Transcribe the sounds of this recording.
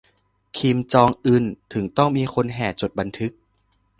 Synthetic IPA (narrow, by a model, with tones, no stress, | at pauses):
kʰi˧mt͡ɕɔː˧ŋʔɯː˧˩nt̪ʰɯ˩˦ŋt̪ɔ˥˩ŋmiː˧xʰo˧nɦɛː˨˩t͡ɕo˨˩t̪̚ba˧nt̪ʰɯ˦˥k̚